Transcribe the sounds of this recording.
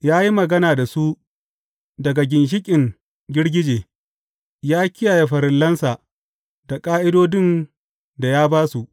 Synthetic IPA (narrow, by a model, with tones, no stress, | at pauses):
jaː˦ji˦mɐ˨ɡɐ˦naː˨da˨su˦ | dɐ˨ɡa˨ɡʲɪ˨nʃ̬ɪ˦kʲʼɪ˨ŋ | ɡʲɪ˦ɽɡʲɪ˦d͡ʒeː˨ | jaː˦kʲɪ˦jaː˨je˨ɸɐ˨ɾɪ˨lːɐ˦nsa˨ | d̥a˨kʼaː˦ʔɪ˦doː˦dɪ˦˨n | da˨jaː˦baː˦su˨ʔ